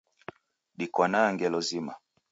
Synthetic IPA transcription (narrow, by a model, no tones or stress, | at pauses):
ɗikwanaŋɡɛlɔzima